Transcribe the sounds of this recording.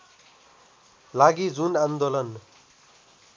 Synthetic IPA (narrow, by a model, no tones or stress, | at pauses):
laɡid͡zunãnd̪olʌn